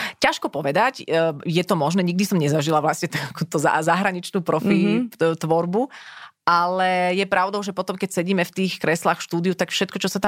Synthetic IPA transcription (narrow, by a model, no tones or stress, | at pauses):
caʃkɔpɔʋɛd̪acːjɛt̪ɔmɔʒnɛːɲiɡ̚d̪isɔmɲɛzaʒilaʋlasɲɛt̪akuːt̪ɔza̰zaɦɾaɲit͡ʃnuːpɾɔfit̪ʋɔɾbuʔalɛjɛpɾaʊd̪ɔʊʒɛpɔt̪ɔmkɛcsɛɟiːmɛft̪iːxkɾɛslaːxfʃt̪uːd̪iut̪akfʃɛt̪̚kɔt͡ʃɔsat̪a